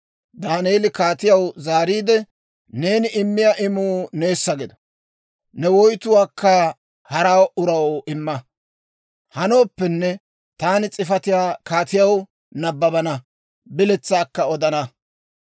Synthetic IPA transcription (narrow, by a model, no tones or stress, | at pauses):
d̪aːneːlɪkaːt̪ɪjɐwzaːɾiːd̪ɛ | ne̞ːnɪʔɪmːɪjaʔɪmuːne̞ːsːɐɡɪd̪ɐ̥ | nɛwɔjt̪ʊwaːkːɐ | hɐɾaːwʊɾɐwɪmːɐ | hɐno̞ːpːɛnːɛ | t̪aːnɪt͡sʼɪfɐt̪ɪjaːkaːt̪ɪjɐw | nɐbːɐbɐnɐ | bɪlɛt͡sːaːkːɐɔd̪ɐnɐ